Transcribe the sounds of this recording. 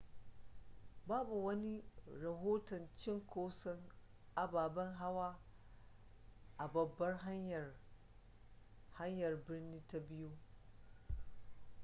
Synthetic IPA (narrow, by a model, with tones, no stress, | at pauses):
baː˦bu˨wɐ˦ni˦ɾɐ˨ɦoː˦tɐ˨nt͡ʃɪ˦ŋkʷoː˦sɔ˦ŋ | ʔa˨baː˨bɐ˦ŋɦa˦waː˦ | ʔa˨bɐ˨bːɐ˦rɦa˦j | ha˦ɲjɐ˨rbɪ˦rniː˦ta˦bɪ˦ju˦